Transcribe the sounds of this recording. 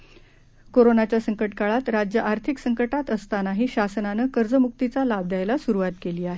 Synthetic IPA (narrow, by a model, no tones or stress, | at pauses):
koɾonat͡ɕjasəŋkəʈkaɭat̪ɾad͡ʑjəʔaɾt̪ʰiksəŋkəʈat̪əst̪anaɦiːɕasənanəkəɾd͡zəmuk̚t̪it͡salab̚d̪ajlasuɾuʋat̪keliːaɦe